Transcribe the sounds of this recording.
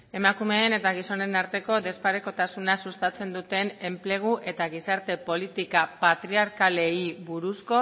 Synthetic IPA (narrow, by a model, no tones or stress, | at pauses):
e̞makume̞ːne̞t̪aɣ̞iso̞ne̞naɾt̪e̞ko̞d̪e̞spaɾeko̞t̪asunasust̪at͡se̞nd̪ut̪e̞ne̞mple̞ɣ̞uʔʔe̞t̪aɣ̞isaɾt̪e̞po̞lit̪ikapat̪ɾiaɾkale̞iβuɾusko̞